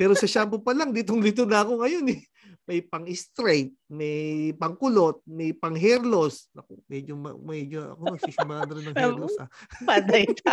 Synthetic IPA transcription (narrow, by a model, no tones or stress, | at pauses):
pɛːɾo̞sɐʃaːmpopɐlɐŋd̪it̪̬oŋlɪt̪onɐɐko̞ŋɐjo̞nɛ | mɐjpɐŋɪst̪ɾɛjt̪̚mɛjpɐŋkʊlo̞t̪̚mɛjpɐŋɦɛɾlo̞slɐkomɛd͡ʒomɐ̰mɛd͡ʒoʔɐ̰konɐɡsiʃʊmɐɾanɐɾɪnːɐŋhɛɾlosaad̪ɐj